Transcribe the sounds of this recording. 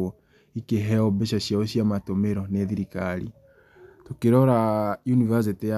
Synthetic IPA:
ɔ | ikeɦɛɔbeʃaɕjaoɕiamatomeɾɔneðiɾikaɾḭ | tokeɾɔɾajunivas̬etea

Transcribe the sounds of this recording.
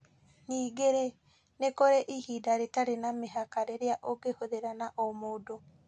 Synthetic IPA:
niːɡeɾe | nekoɾeʔihidaɾetaɾenameɦakaɾeɾeaʔoɡehoðeɾanaʔomodo

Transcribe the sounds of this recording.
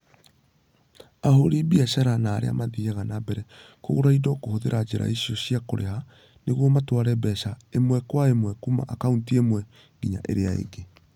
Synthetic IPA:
aɦoɾebiaʃaɾanaːɾḛa̰maðiaɣanabɛɾɛ | ko̰ɣoɾaidɔkohoðeɾʔad͡ʑeɾa̰iɕjɔɕiakoɾeha | neɣwɔmatwaɾɛbɛʃaemwɛkwaemwɛkuma̰ʔakauntiemwɛ | ɡiɲa̰ʔḛɾeaḛɡe

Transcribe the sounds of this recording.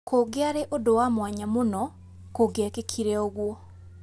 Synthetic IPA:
koɡɪaɾeʔodowamwaɲamonɔ | koɡɪakekʰiɾeoɣwo

